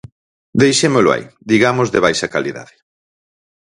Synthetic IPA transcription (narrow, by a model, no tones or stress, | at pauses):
d̪ejʃemeloa̰jd̪iɣamozðeβajʃɐkaliða̰ðɪ̥